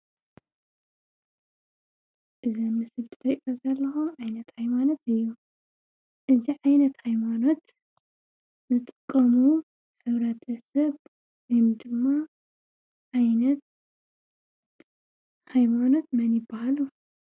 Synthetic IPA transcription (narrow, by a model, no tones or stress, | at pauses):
ʔɨzɐmɨsɨβt̪ʰɾiʔʔozɐlːɐxoʕajnɐt̪hajmano̞t̪ɨjːu | ʔɨziʕajnɐt̪hajmano̞t̪ | zɨt̪ʼɨkʼːɐmu | ħɨβɾɐt̪ʰɐsɐβ | jumd̪ɨmːa | ʕajnɐt̪ | hajmano̞t̪̚mɐnjɪbːahalu